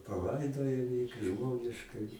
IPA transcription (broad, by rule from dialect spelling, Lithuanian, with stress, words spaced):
pɐˈlˠɐɪdoːjoː jiː kɐɪ ˈʒmoːnʲɪʃkɐɪ